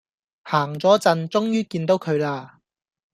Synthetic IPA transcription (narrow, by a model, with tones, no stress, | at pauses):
haː˨˩ŋt͡sɔː˨˥t͡sɐ˧nt͡sʊ˥ŋjyː˥kiː˧nt̪o˨˥wkʰɵ˨˧ɥlaː˧